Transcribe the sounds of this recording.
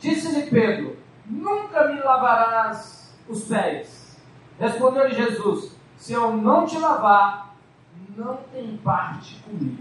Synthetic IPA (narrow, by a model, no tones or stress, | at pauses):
d͡ʒisɪlɪped̪ɾʊ̰ | nũkɐmɪlavaɾaz | ʊspɛjs | hespõnd̪ewlɪʒezusː | ɪewnɐ̃w̃t͡ʃɪlavaɾ | nɐ̃w̃t̪ẽj̃paɾt͡ʃɪ̥kõmḭɡʊ